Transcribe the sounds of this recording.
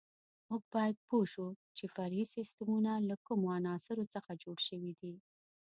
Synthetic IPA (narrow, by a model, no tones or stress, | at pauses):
muɡ̚bɑjad̪̚poʃut͡ʃefaɾhisɪst̪əmunalakumoanɑsɪɾot͡səxad͡ʒoɽʃəwid̪i